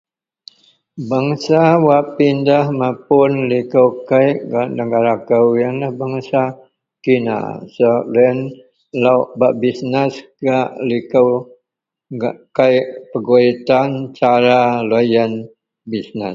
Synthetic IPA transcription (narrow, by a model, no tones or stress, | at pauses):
baŋsawaʔpindahmapʊnlikəwkajʔɡanəɡaɾakəwjaŋlahbaŋsa | kina̰sələn | laʔbaʔbisnəsɡaʔlikəw | kajʔpəɡoit̪ant͡ʃaɾalojən | bisnəs